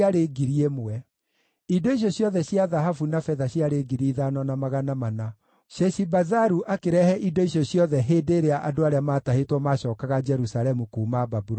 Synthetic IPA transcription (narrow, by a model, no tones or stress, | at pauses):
aɾeɡiɾiemɛ | idoiɕ̬jɔɕjɔðɛɕjaðaɦafunafɛðaɕjaɾeɡiɾiːðanɔnamaɣanamana | ʃɛʃibazaɾuʔakeɾɛhɛʔidoiɕjoɕjɔðɛɦeːdeːɾeaʔadoaɾeamaːtahetwɔmaɕɔːkaɣad͡ʒɛɾusalɛmukuːmababuɾ